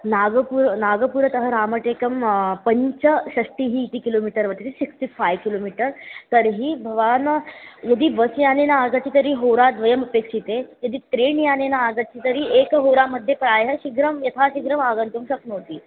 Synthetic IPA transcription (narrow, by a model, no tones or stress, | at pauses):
naɡəpuɾnaɡəpuɾət̪əɦəɾaməʈekəmpəɲt͡ɕəɕəsʈiɦiːt̪iːkilomiʈəɾʋəɾt̪t̪isiksʈifajʋkilomiʈəɾt̪əɾɦiːbʱəʋanjɐd̪iːʋəsjanenaaɡat͡ɕiːt̪əɾiːɦoɾad̪ʋəjəmɐpekʂit̪ejɐd̪iːt̪ɾeɳjanenaːɡət͡ɕiːt̪əɾiːʔekɦoɾaməd̪ʱːjepɾajɦəɕiɡɾəmjɐt̪ʰaɕiɡɾəmaɡənt̪umɕəknəːt̪iː